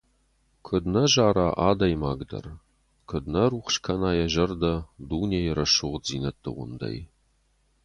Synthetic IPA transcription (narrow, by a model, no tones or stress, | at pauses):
kʷʰɨdnɐʒaːɾaːʔaːdɐjmaːɡdɐ̰r | kʰɨdnɐruːχʷʃkʰɐnaːjɛʒɐrdɐduːnejɾɐʃʊʁd͡ziːnɐtʰʼːɨ̰ʁʷʊ̰ndɐ̰j